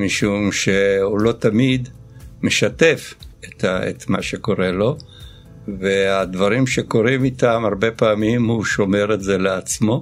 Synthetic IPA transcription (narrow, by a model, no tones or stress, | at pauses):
miʃumʃehulo̞t̪amid̪ | meʃat̪e̞fet̪aḛt̪ma̰ʃe̞ko̞ʁe̞lo̞ | vead̪vaʁimʃe̞ko̞ʁimit̪amaʁbe̞paːmimhuʃo̞me̞ʁetze̞leat͡smo̞